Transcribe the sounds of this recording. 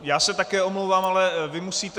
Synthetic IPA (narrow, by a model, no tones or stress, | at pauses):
jaːsɛt̪akɛːo̞mlowvaːmalɛvɪmusiːt̪ɛ